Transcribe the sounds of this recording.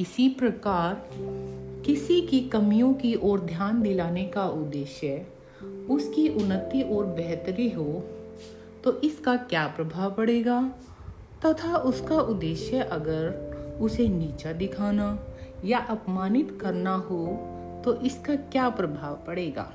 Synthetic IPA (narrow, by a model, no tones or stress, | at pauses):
kɪsipɾɐkaːɾ | kɪsikikɐmijõkiʔɔːɾd̪ʱjaːnd̪ɪlaːnekaʊd̪ːeːʃjə | ʊskiʔʊnːət̪ːiʔɔːɾbɛɦt̪ɾiɦo | t̪oʔɪskakjaːpɾɐbʱaːʋpɐɽeːɡaː | t̪ɐt̪ʰaʔʊskaʔʊd̪ːeːʃjəʔɐɡəɾʊseniːt͡ʃad̪ɪkʰaːnajaʔɐpmaːnɪt̪kɐɾnaɦo | t̪oʔɪskakjaːpɾɐbʱaːʋpɐɽeːɡa̰ː